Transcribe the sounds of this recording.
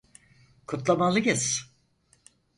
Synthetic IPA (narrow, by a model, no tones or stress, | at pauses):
kʰut̪lˠamalˠɯɡɯs